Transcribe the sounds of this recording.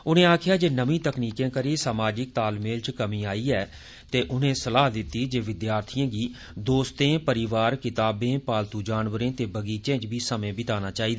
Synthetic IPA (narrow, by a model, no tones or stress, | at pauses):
ʊnẽːaːkʰjaːd͡ʒeːnəʋĩːt̪əkniːkẽːkəɾiːsaːmaːd͡ʒɪk̚t̪aːlmeːlt͡ʃkəmĩːaːiːɛː | t̪eːʔʊnẽːsəlaːɦd̪ɪt̪ːiːd͡ʒeːʋɪd̪jaːɾt̪ʰijãːɡiː | d̪oːst̪ẽːpəɾɪʋaːɾkɪt̪aːbẽːpaːlt̪uːd͡ʒaːnʋəɾẽːt̪eːbəɡiːt͡ʃẽːd͡ʒbiːsəmẽːbɪt̪aːnaːt͡ʃaːiːd̪aː